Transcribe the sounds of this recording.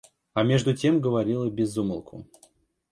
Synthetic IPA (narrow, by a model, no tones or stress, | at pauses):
ɐmʲe̞ʐd̪ʊtʲe̞mɡəvɐɾʲilˠəbʲɪzːumə̰lˠkʰʊ̰